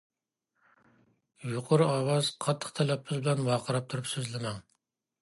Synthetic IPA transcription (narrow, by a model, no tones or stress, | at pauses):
juqʰʊɾɑːwɑz̥qʰɑt̪ʰːə̥χt̪ʰɛlɛpːɪzbɪlɛnwɑːqʰəɾɑp̚t̪ʰuɾupsøzlɪmɛŋ